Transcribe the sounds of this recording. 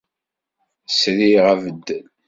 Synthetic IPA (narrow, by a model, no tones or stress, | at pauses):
sɾiʁævəd̪ːn